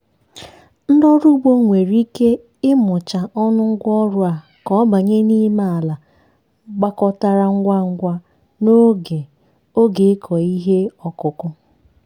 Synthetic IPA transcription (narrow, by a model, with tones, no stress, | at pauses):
n̩˦dɔ˦ɾu˦ɡ͡bo˦ŋʷe˨ɾi˦ke˦ | ɪ˦mʊ˨t͡ʃa˨ʔɔ˦nʊ˦ŋ̩˦ɡʷɔ˦ɾʊ˦a˨ | kɔ˦ba˨ɲe˦ni˦ma˨a˨la˨ | ɡ͡ba˦kɔ˦ta˦ɾa˦ŋ̩˦ɡʷa˦ŋ̩˦ɡʷa˦ | no˦ɡe˨ | o˦ɡe˨˦kʰɔ˨i˦ɦe˦ɔ˨kʊ˨kʊ˦